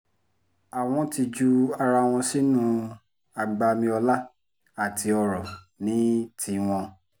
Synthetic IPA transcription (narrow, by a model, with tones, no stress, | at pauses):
a˨w̃ɔ̃˧ti˧d͡ʒu˧a˧ɾa˧w̃ɔ̃˧si˦nũ˦˧ | a˨ɡ͡ba˧mĩ˧ɔ˧la˦ | a˨tʰi˧˦ɔ˧ɾɔ˨ | nĩ˨˦tʰi˧w̃ɔ̃˧